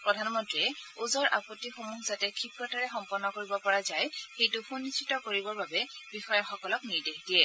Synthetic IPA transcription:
pɹɔdʱanmɔntɹiɛuzɔɹʔa̰pɔtːixomuɦzatɛkʰipɹɔtaɹɛxɔmpɔnːɔkoɹibɔpɔɹazajxejtʊpʰunːistʰːitɔkoɹibɔɹbabɛbixɔjɔxɔkɔlɔkniɹdexdijɛ

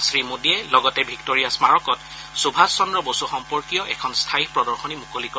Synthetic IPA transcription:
sɹimudiɛlɔɡɔtɛbʱiktoɹijasmaɹɔkɔt | subʱasːɔndɹɔbosuxɔmpɔɹkijɔʔɛ̰kʰɔnstʰajipɹɔdɔɹxɔnimukolikɔ

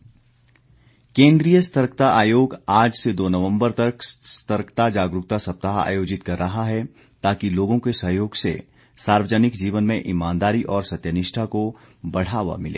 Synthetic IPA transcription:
kẽːnd̪ɾijəst̪əɾkt̪aʔaːjoːɡaːd͡ʒsed̪oːnɐʋə̃mbəɾt̪ɐkst̪əɾkt̪ad͡ʒaːɡɾʊk̚t̪asɐp̚t̪aɦa̰ːjoːd͡ʒɪt̪kɐɾːɐɦaɦɛ | t̪aːkiloːɡõkesɐɦjoːɡsḛ | saːɾʋəd͡ʒənɪkd͡ʒiːʋənmẽʔɪmãːnd̪aːɾiʔɔːɾsɐt̪jənɪʃʈʰako | bɐɽ̤aːʋa̰mɪlʔḛː

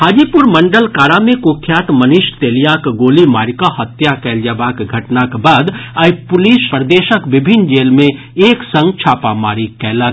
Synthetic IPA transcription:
ɦaːd͡ʒiːpʊɾmə̃ɳɖəlkaːɾamẽkoːkʰjaːt̪mənɪʃt̪eːlijaːkɡoːlimaːɾkaɦət̪jakɛːld͡ʒaːbaːkɡʱɐʈnakebaːd̪aːipʊliːʃpɾəd̪eːʃəkʋɪbʱɪnd͡ʒeːlmẽ | eːksə̃ŋɡt͡ʃʰaːpamaːɾikɛːla

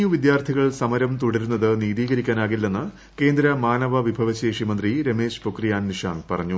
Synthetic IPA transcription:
uʋid̪jaːrt̪ʰiɣɐɭsɐmɐɾɐmt̪uɽɐɾunːɐðɨniːðiːɣɐɾikʲːaːnaːɣilːenːɨ | ke̞ːnd̪ɾɐmaːnɐʋɐʋibʱɐʋɐɕeːʂimɐnd̪riɾeme̞ːɕpokrijaːnniʂa̰ːŋpɐrɐɲːu

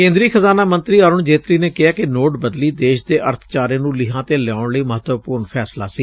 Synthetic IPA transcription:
kẽːnd̪ɾiːxəzaːnaːmənt̪ɾiːaːɾʊɳd͡ʒeːt̪ɾiːneːkɪaːkɪnoːʈbəd̪liːd̪eːʃd̪eːʔəɾt̪ʰt͡ʃaːɾẽːnũːlɪɦãːt̪eːljaːʊɳləiːməɦət̪ʋəpuːɾɳpʰɛːsla̰ːsiː

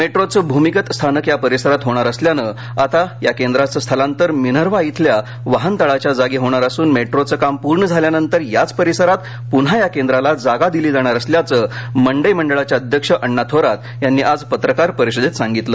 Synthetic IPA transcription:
meʈɾot͡səbʱumikət̪st̪ʰanəkjapəɾisəɾat̪ɦoɽ̃aɾəsljanə | at̪ajakend̪ɾat͡səst̪ʰəlant̪əɾminəɾʋait̪ʰlja | ʋaɦənt̪əɭat͡ɕjad͡zaɡiɦoɽ̃aɾasuːnmeʈɾot͡səːkampuɾɳəd͡zʱaljanənt̪əɾjat͡spəɾisəɾat̪ | punɦajakẽnd̪ɾalad͡zaɡad̪iliːd͡zaɽ̃aɾəsljat͡səməɳɖəjməɳɖəɭat͡ɕjaəd̪ʱjəkʂəʔəɳːat̪ʰoɾat̪ | janːiːʔad͡zpət̪ɾəkaɾpəɾiɕəd̪et̪sãŋɡit̪lə

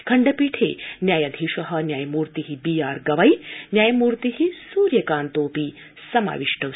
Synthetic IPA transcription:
kʰɐɳɖɐpiːʈʰḛːnjaːjɐd̪ʱiʃɐɦɐ̆njaːjɐmuːɾt̪iɦibiːjaːɾɡɐʋɐjnjaːjɐmuːɾt̪iɦisuːɾjɐkaːnt̪oːpi | sɐma̰ːʋiʂʈɐ

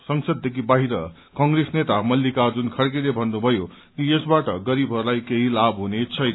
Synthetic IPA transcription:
sʌŋsʌd̪̚ːekʰibaɦiɾʌ | kʌŋɡresnet̪amʌlːikad͡zunkʰʌɽk̬ilebʱʌnːubʱʌjo | kijesbaʈʌɡʌɾibʱɦʌɾulajkeɦilabɦunet͡sʰʌjnʌ

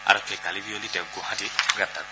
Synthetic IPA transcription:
a̰ɾɔkʰːɛkalibiolitɛwɡɔɦãtiɡat̪ːa

